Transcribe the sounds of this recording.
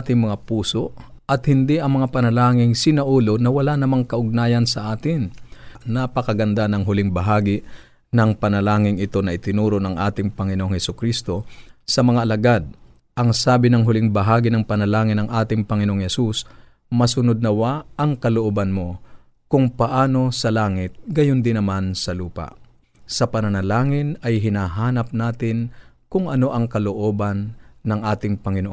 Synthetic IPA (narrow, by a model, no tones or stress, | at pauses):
t̪ɪŋmɐŋapuːso̞ | ʔɐt̪hɪnd̪iʔɐŋmɐŋapɐnɐlaːŋɪŋsɪnɐʔuːlo̞nɐwɐlaʔnɐmaŋkɐʔʊɡ̚naːjɐnsɐʔaːt̪ɪnnapɐkɐɡɐnd̪anɐŋɦʊlɪŋbɐɦaːɡɪ | nɐŋpɐnɐlaːŋɪŋɪt̪o̞nɐʔɪt̪ɪnuːɾonɐŋʔaːt̪ɪŋpɐŋɪnoʔoŋhɛsʊkɾist̪o̞sɐmɐŋaʔɐlɐɡad̪̚ | ʔɐŋsaːbɪnɐŋɦʊlɪŋbɐɦaːɡinɐŋpɐnɐlaːŋɪnɐŋʔaːt̪ɪŋpɐŋɪnoʔoŋhɛsus | mɐsʊnod̪̚nɐwaʔɐŋkɐloʔobɐnmo̞ | kʊŋpɐʔaːno̞sɐlaːŋɪt̪̚ɡɐjond̪ɪnɐmansɐluːpa̰ | sɐpɐnɐnɐlaːŋɪnɐjɦɪnaɦaːnɐp̚naːt̪ɪn | kʊŋʔɐno̞ʔɐŋkɐloʔo̞ːbɐnːɐŋʔaːt̪ɪŋpɐŋɪnoʔ